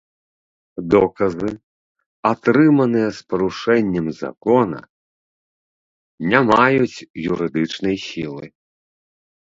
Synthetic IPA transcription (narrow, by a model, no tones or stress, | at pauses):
d̪ɔkɐzɨ | at̪ɾɨmɐnɨjɐspɐɾuʂɛnʲːɐmza̰kɔnɐ̰ | nʲamajut͡sʲjuɾɨd̪ɨt͡ʂnɐjsʲilˠɨ̰